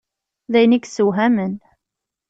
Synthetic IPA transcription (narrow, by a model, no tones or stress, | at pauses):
ðæjniksuɦæmən